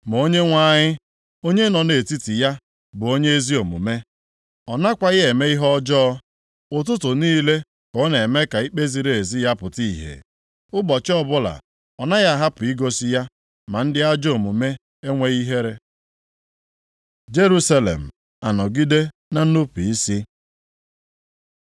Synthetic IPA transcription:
m˨o˦ɲe˦ŋʷa˦˨ɲɪ˦ | o˦ɲe˦nɔ˨ne˨ti˦ti˨ja˦ | bʊ˨o˦ɲe˦e˦zi˦o˨mṵ˨me˦ | ɔ˨na˦kʷa˦ɣe˦e˨me˦i˦ɦɔ˦d͡ʒɔ˦ | ʊ˨t̬ʊ˦tʊ˨niː˦le˦ | kɔ˨˦ne˨me˦ka˨i˦k͡pe˦zi˨ɾe˨e˨zi˦ja˦pʊ˨ti˦˨ɦḛ˨ | ʊ˦bɔ˨t͡ʃɔ˦bʊ˦la̰˨ | ɔ˨na˦ja˦˨ɦa˦pʊ˨i˦ɡo˦si˦ja˦ | ma˨n̩˦dɪ˦a˦d͡ʒo˨mu˨me˦ | e˦ŋʷe˦ɣi˦ɦe˦ɾe˦ | d͡ʒe˦ɾu˦sa˦lḛ˨m̩˨ | a˨nɔ˨ɡi˦de˦ | na˨n̩˦u˦pi˨i˦sɪ˦

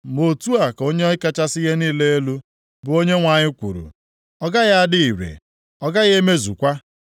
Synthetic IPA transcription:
mo˨tu˦a˨ko˦ɲe˦ɔ˦ɪ˦ka˦t͡ʃa˦sɪ˦ɣe˦niː˦le˦e˦lu˦ | bʊ˨o˦ɲe˦ŋʷa˨ɲɪ˦kʷṵ˨ɾṵ˨ | ɔ˦ɡa˦ɣa˦a˦dɪ˦i˨ɾḛ˨ | ɔ˦ɡa˦ɣe˦me˦zṵ˨kʷa˦

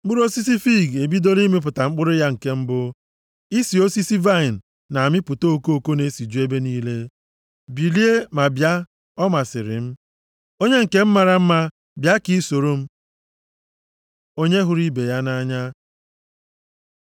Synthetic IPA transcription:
k͡pʊ˦ɾo˦si˦si˦fi˦˨ɡe˨bi˦do˦li˦me˦p̬ʊ˨ta˨ŋ͡m̩˦k͡pʊ˦ɾʊ˦ja˦ŋ̩˨ke˦m̩˦bʊ˦ | i˦si˨o˦si˦si˦va˦˨i˨n̩˨ | na˨a˨mɪ˦pʊ˨to˦o˨ko˦o˨ko˦ne˨˦si˨d͡ʒu˦e˦be˦niː˦le˦ | bi˨li˦e˦ma˨bja˦ | ɔ˦ma˨sɪ˨ɾɪ̰˨m̩˦ | o˦ɲe˦ŋ̩˨ke˦m̩˦ma˨ɾa˦m̩˦ma˦ | bja˦ki˦so˨ɾo˦m̩˦ | o˦ɲe˦ɦʊ˦ɾi˦be˨ja˦na˦ɲa˦

